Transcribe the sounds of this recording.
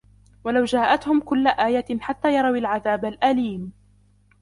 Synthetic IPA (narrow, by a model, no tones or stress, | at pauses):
walawd͡ʒaːʔat̪hʊmkʊlːaʔaːjaħat̪ːaːjɑɾˤɑwalʕaðaːbalʔaliːm